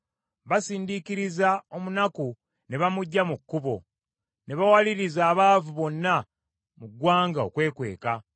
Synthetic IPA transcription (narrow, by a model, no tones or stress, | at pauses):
βasiːndikiɾizao̞munaku | ne̞βamuɟːamukːuβo̞ | ne̞βawaliɾizaːβaːvuβo̞nːa | muɡwaːŋɡao̞̰kwe̞ːkwe̞̰ːka